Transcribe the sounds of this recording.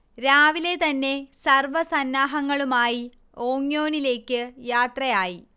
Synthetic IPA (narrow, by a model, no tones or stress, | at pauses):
ɾaːʋile̞t̪ɐnːe̞sɐrʋɐsɐnːaːɦɐŋːɐɭumaːji | oːŋjo̞ːnile̞ːkːɨjaːt̪rɐjaːji